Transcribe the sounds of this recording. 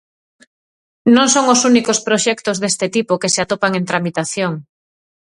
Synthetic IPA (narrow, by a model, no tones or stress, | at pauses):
nõŋsoŋosunikospɾoʃɛkt̪ozðest̪et̪ipokeseat̪opaŋẽnt̪ɾamit̪aθjoŋ